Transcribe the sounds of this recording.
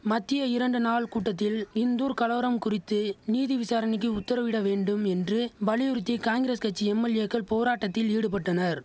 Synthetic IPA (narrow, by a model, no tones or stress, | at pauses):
mɐt̪ːɪjɐɪɾɐɳɖɯnaːɭkuːʈːɐt̪ːɪlɪnd̪uːɾkɐlɐʋɐɾɐmkʊrɪt̪ːɯniːðiʋɪsaːɾɐnɪk̬ːɯʊt̪ːɐɾɐʋɪɽɐʋeːɳɖɯmɛndrɯʋɐlɪjɯɾɯt̪ːikaːŋɡɪɾeːskɐʈ̚t͡ʃːiɛmːɐlɪjɐkːɐɭpoːɾaːʈːɐt̪ːɪliːɽɯpɐʈːɐnɐɾ